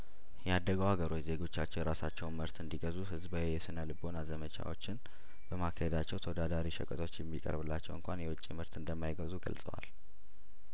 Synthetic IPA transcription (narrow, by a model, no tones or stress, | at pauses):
jɛad̪ːəɡəwhaɡəɾo̞t͡ʃːze̞ɡo̞t͡ʃːat͡ʃːɛwjɛɾasat͡ʃːɛwnməɾt̪ɨnd̪iɡəzuhɨzbəwjɛsɨnəlɨbo̞nazəmət͡ʃa̰wo̞t͡ʃːɪn | bəmakʰːəhed̪at͡ʃːɛwt̪ʰəwod̪ad̪aɾiʃəkʼət̪ʰo̞t͡ʃːjɛmːikʼə̰ɾbɨlːat͡ʃːɛwɨŋkʷanjɛwʊt͡ʃʼiməɾt̪ɨnd̪əmːajɪɡəzuɡə̰lsʼə̰wa̰l